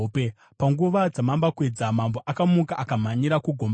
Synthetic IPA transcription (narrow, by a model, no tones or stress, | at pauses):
p | paŋɡuʋad͡zamambakwe̞d͡zamambo̞ʔakamukaʔakam̤aɲiɾakuɡʱom